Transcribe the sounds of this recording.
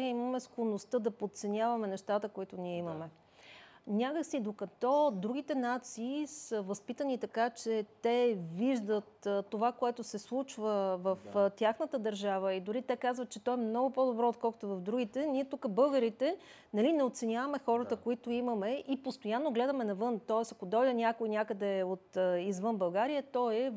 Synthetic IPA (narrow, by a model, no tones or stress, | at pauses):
iməmɛskonost̪ɤd̪ɐpot̪t̪sɛnʲavɐmɛnɛʃt̪at̪əkoit̪ʊniɛimɐmɛ | nʲakəksid̪okɐt̪ɔd̪ɾuɡ̟it̪ɛnat̪siːsəvɐspit̪ənit̪ɐkat͡ʃɛt̪ɛviʒd̪ət̪t̪ːovakoɛt̪ʊsɛslˠut͡ʃvəvəft̪ʲjaxnət̪əd̪ɐɾʒavəid̪ʊɾit̪ɛkazvət̪̚t͡ʃɛt̪ɔɛmnɔɡʊpɔd̪obɾɔot̪̚kɔlˠko̥t̪ʊvɐfd̪ɾuɡit̪ɛniɛt̪ukəbɤlˠɡəɾit̪ɛ | nɐlinɛot̪sɛnʲavəmɛxɔɾət̪əkoit̪oimɐmɛʔipost̪ojanːoɡlɛd̪əmɛnɐvɤnt̪ɔɛsɐkod̪ɔjd̪ənʲakoinʲakəd̪ɛot̪izvɤnbɐlˠɡaɾijət̪ɔɛ